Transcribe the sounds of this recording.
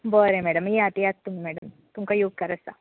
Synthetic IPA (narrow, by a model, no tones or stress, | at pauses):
boːɾẽmɛːɽəmjeat̪ijatt̪ːumimɛːɽəm | t̪umkajuɡ̚kɐɾəst̪a̰